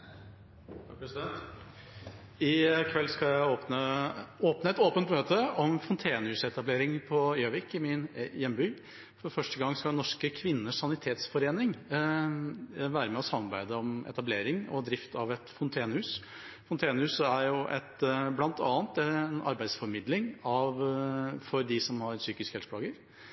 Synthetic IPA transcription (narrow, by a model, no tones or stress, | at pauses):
psɛnt̪ | ɪkʰʋɛlːskɑjæɪoːpnəoːpnəɛt̪oːpənt̪møːt̪əɔmfɔnt̪ʰeːnəhʉːsɛt̪ɑbleːɾɪŋpʰɔøːʋɪkɪmɪnjɛmːbyː | fɔɾfœʂʈəɡɑŋːskɑnɔʂkəkʰʋɪnːəʂːɑnɪt̪ʰeːt̪sfɔɾeːnɪŋ | ʋæːɾəmɛɔsɑmːɑɾbæɪd̪əɔmɛ̰t̪ɑbleːɾɪŋɔ̰d̪ɾɪft̪ʰɑʋɛt̪fɔnt̪ʰeːnəhʉːs | fɔnt̪ʰeːnəhʉːsəæɾjʊʔɛt̪blɑnt̪ʰɑ̰ːnt̪ɛnɑ̰ɾbæɪsfɔɾmɪd̪lɪŋɑʋfɔɾd̪ɪsɔmhɑɾsyːkɪskəhɛlsə̥plɑːɡəɾ